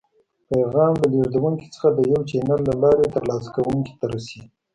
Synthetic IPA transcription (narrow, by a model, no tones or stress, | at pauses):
paɣɑmd̪əleɾd̪awuŋki̥t͡sə̥xad̪əjawt͡ʃenaɾlalɑɾet̪aɾlɑsḁkawuŋki̥t̪aɾasi